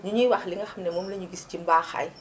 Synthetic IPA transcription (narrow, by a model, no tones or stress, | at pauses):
ɲuɲiwaxliŋɡɐxɐmnɛmɔːmlɐɲuɡiscimbaːxa̰j